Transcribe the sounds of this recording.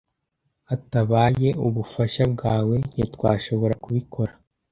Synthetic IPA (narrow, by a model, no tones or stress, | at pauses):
ataβaːje̞uβufaʃab̚ɡaːwe̞ɲ̥itwaːʃo̞βo̞ɾakuβikʰo̞ɾa